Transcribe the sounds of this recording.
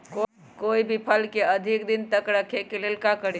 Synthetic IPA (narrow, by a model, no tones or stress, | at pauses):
ko | koibʱipʰəlkeəd̪ʱikd̪int̪əkɾəkʰekelelkakəɾ